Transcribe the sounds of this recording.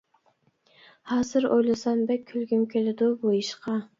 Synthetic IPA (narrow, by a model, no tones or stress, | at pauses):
hɑːzɨɾo̰jlˠɨsɑnbɛkʲʰːylɡʲymkʲʰelɪd̪ʊbojiʃqʰɑ